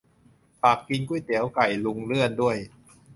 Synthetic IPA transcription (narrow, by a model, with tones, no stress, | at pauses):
paː˨˩k̚ki˧nku˥˩jt̪i˩˦əwka˨˩jlu˧ŋlɯ˥˩əndu˥˩əj